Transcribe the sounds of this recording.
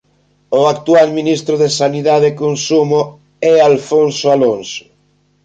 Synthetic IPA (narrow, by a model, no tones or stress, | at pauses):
oak̚t̪ualminist̪ɾʊðesaniðaðekonsumʊ | ɛalfonsʊalonsʊ̥